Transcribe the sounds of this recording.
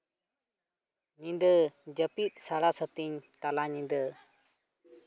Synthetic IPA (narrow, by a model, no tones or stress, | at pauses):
ɲĩnd̪əd͡ʒəpit̪̚ˀsaɽasət̪iɲt̪alaɲĩnd̪ə